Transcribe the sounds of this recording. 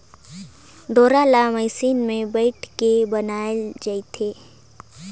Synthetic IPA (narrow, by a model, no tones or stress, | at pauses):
ɖ̪oːɾaːlamɛːsiːnmẽbeɪʈʰkebɐnaːld͡ʒəit̪ʰeː